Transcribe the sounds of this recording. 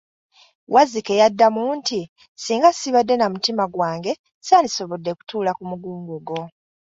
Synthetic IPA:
wʔazike̞jadːamuːnti | siːŋɡasiβadːe̞namutimaɡwaːŋɡe̞ | saːniso̞βo̞dːe̞ku̥tuːlakumuɡuːmbuɡo̞

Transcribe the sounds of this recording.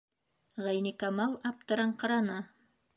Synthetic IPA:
ʁɑjnikamɑlˠɑp̚t̪ɤ̆ɾɑɴqɤ̆ɾɑnɑ

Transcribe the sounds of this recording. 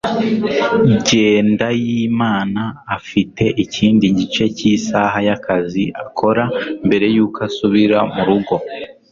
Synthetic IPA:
ɟe̞ːndajiːmaːnaːfite̞ʔiciːndiɟit͡ʃe̞cisaɦajakaziʔakʰo̞ɾambe̞ɾe̞juːkasuβiɾamuɾuɡo̞

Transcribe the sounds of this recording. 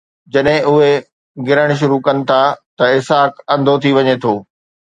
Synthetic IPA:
d͡ʑɐɗɦɪ̃ʔʊɦe | ɡɪɾəɽ̃̆ʃ̬ʊɾukɐnɪ̆t̪ʰat̪ɐɪsaːkɐ̃nd̪ʱot̪ʰiʋɐɲet̪ʰoː

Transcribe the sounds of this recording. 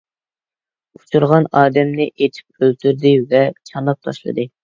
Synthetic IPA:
u̥t͡ʃʰuɾʁɑnɑːd̪ɛmnɪʔet̪ʰi̥p̚ølt̪yɾd̪ɪvɛt͡ʃʰɑnlˠɑp̚t̪ʰɑʃlˠɨ̰d̪ɨ

